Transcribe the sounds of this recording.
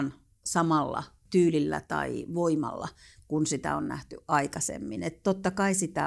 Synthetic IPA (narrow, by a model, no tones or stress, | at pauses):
n | sɑmɑlːɑ̰ | t̪yːlilːæ̰t̪ɑiʋoimɑ̰lːɑ | kunsit̪æ̰onnæ̰ht̪yʔʔɑikɑsḛmːinet̪t̪ot̪ːɑkɑisit̪æ